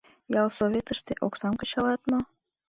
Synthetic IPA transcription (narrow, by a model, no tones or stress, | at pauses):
jɑlˠsovʲet̪ə̆ʃt̪eʔoksɑmkɤ̆ɕɑlˠɑt̪mɤ̆